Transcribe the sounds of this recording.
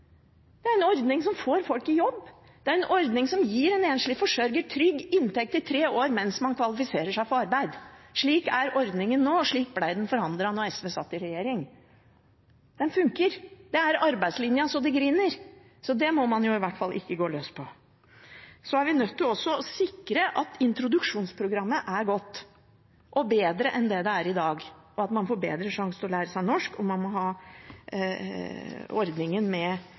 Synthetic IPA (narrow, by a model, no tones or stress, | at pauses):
d̪̥ɛæɾɛnɔɾd̪nɪŋsɔmfoːɾfɔlkɪjɔbː | d̪̥ɛæɾɛnʔɔɾd̪nɪŋsɔmjiːɾɛneːnʂɭɪfɔʂœɾɡəʈ̪ʰɾʏɡːɪnːt̪ʰɛk̚t̪ɪt̪ʰɾeːoːɾmɛnsmɑnkʰʋɑlɪfɪseːɾəʂæɪpʰɔɾɑɾbæɪd̪ʂɭiːkæɾɔɾd̪nɪŋənːoːʂɭiːk̚blæɪd̪ɛnfɔɾɑnd̪ɾəɑnɔɛsʋeːsɑ̰t̪ːɪɾɛjeːɾɪŋ | d̪̥ɛnfʉŋkəɾd̪ɛæɾɑɾbæɪd̪slɪnjəsɔd̪ɛɡɾɪnːəɾ | sɔd̪ɛmɔmɑnjʊɪʋæʈːfɑlːʔɪ̰kːəɡoːløːspʰɔ | sɔæɾʋɪnœt̪ːɪlɔsːɔɔsɪkɾəʔɑt̪ɪnt̪ɾʊd̪ʉkʂuːnspʰɾʊɡɾɑmːəʔæɾɡɔt̪ː | ʔɔbeːd̪ɾəʔɛnd̪ɛd̪ɛæɾɪd̪ɑːɡʔɔɑt̪mɑnfoːbeːd̪ɾəʂɑŋsət̪ɔlæːɾəsæɪnɔʂkɔmːɑnmɔɦɑː | ɔɾd̪nɪŋənmɛ